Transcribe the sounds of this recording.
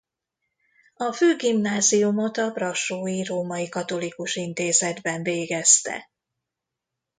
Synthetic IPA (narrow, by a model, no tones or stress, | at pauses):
ɒføːɡimnaːzijumo̞t̪ɒbrɒʃoːjiroːmɒjikɒt̪o̞likuʃint̪eːzɛd̪bɛɱveːɡɛst̪ɛ̰